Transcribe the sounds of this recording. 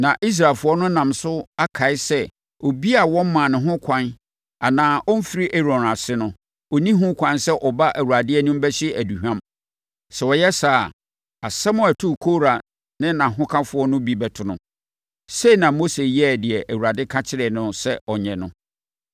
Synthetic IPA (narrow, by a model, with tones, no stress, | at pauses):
nã˨ʔi˦s̬ɾa˨lfʊ˦ɔ˦nʊ̃˦nã˨msʊ˦a˦kʰa˨ɪ˦sɛ˦ | o˨bi˦a˨wɔ̃˦m̩˦mã˨nɪ̃˨ɦʊ̃˦kʷʰã˦n | a˨nãː˨˦ʔɔ˦m̩˦fi˨ɾi˦ʔɛ˦ɾɔ̃˨na˨sɪ˦nʊ̃˦ | ɔ˨nĩ˦ɦũ˦kʷʰã˦nsɛ˦ʔɔ˨ba˦ʔæ˨wu˨a˨dɪ˦ɛ˦nʊ̃˦m̩˦bɛ˦ɕɪ˦æ˨du˨hᶣã˦m | sɛ˨ɔ˨jɛ˦sa˨ | a˨sɛ˦mʊ̃˦æ˨tʰu˦˨kʰo˦ɾa˨ | nɪ̃˦nã˨ɦʊ̃˦kʰã˦fʊ˨˦ɔ˦nʊ̃˦bi˨bɛ˨tʰʊ˨nʊ̃˨ | se˦i˨nã˨mo˦se˨jɛ˦˨dɪ˨ɛ˨ʔæ˨wu˨a˨dɪ˦kʰa˦t͡ɕʰɪ˦ɾɪ˨nʊ̃˦sɛ˦ɔ˨ɲɛ̃˨nʊ̰̃˦